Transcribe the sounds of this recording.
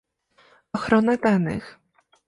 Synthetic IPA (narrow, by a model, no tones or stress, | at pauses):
ɔxɾɔnad̪anɘ̰x